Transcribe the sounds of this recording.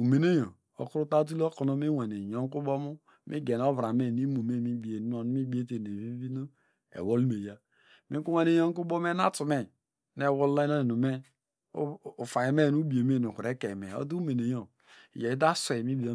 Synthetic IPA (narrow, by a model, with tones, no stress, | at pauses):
u˨me˨ne˦jo˨ | o̰˨ku˦u˦ta˦t̬u˦lo˦ko˨no˦mi˦we˨ne˨jo˦ŋ˦ku˦bo˦mu˦ | mʔḭ˦ɡe˨n˨o˦vɾa˨me˦˨ni˦mu˨me˦˨mi˦bi˨e˨˦o˨n˦mi˦be˦te˨ne˨vi˦vi˦no˦ | ḛ˨wo˦li˦me˨ja˦ | mi˦ku˦we˦ne˨jo˦ŋ˦ku˦bo˦m˦e˦na˦tu˨me˨ | ne˦˨wo˦lla˦no˦˨nu˨me˦˨ | fa˨ji˨me˦˨nu˦bi˨e˨me˦˨nu˨ku˨ɾe˨˦ke˨me˨o̰˦du˦me˨ne˨jo˨ | ḭ˨je˨i˦da˦sʷe˨mi˦bi˨o˦